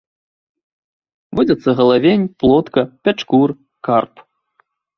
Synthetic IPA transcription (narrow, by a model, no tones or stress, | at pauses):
vɔd͡zʲɐt̪sːɐɣɐlˠavʲenʲplˠɔt̪kɐpʲat͡ʂkur | karp